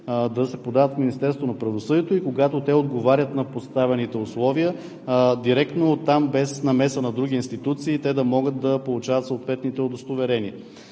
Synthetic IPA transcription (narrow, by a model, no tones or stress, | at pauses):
d̪ɐsɛpod̪avət̪fminist̪ɛɾst̪vonɐpɾɐvosɤd̪iɛt̪oikoɡat̪ot̪ɛod̪ɡovaɾʲət̪nɐpost̪avɛnit̪ɛʊslˠɔviə | d̪iɾɛkt̪noːt̪ːambɛsnɐmɛsənɐd̪ɾuɡʲiːnst̪it̪ut̪siːt̪ɛd̪ɐmɔɡət̪̚d̪ɐpolˠut͡ʃavɐt̪sot̪vɛt̪nit̪ɛod̪ost̪ovɛɾɛniə